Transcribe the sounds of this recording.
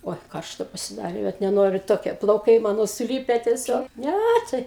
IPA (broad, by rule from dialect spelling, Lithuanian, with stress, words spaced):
ˈoːɪ ˈkɐrʃtɐ pɐsʲɪˈdɑːrʲeː ʋɐt nʲɛˈnoːrʲʊ ˈtoːkʲiɛ plˠɐʊˈkɐɪ ˈmɑːnoː sʊˈlʲiːpʲɛ tʲɛˈsʲoːk ˈnʲæ tɐɪ